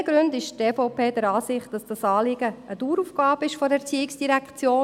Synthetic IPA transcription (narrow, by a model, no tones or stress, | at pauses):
əɡ̥ɾʉndɪʃteːfoʊpeːd̥əɾɑːsɪχtd̥ɑsd̥ɑsɑːlɪɡ̥əəduːɾufɡ̥ɑːbəɪʃfɔɾɛɾt͡siːɪksd̥iɾækt͡sjoː